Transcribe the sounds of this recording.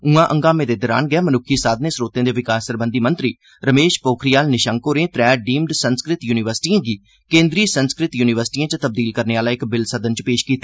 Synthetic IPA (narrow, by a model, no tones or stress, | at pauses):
ũãːʔə̃ŋɡaːmẽːd̪eːd̪əɾa̰ːnɡɛːmənʊkʰːiːsaːd̪neːsɾoːt̪ẽːd̪eːʋɪkaːsəɾbənd̪iːmə̃nt̪ɾiː | ɾəmeːʃpoːkʰɾijaːlnɪʃaːŋkoːɾẽːt̪ɾɛːɖiːmɖsənskɾɪt̪juːnɪʋəɾsɪ̥ʈiːãːɡiː | kẽːnd̪ɾiːsənskɾɪt̪juːnɪʋəɾsɪ̥ʈiːãːt͡ʃt̪əb̚d̪iːlkəɾneːaːlaːɪkbɪlsəd̪ənt͡ʃpeːʃkiːt̪aː